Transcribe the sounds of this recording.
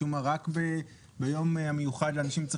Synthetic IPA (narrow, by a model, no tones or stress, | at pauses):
umaʁakbe | bejomame̞juχadleaːnaʃimt͡sʁe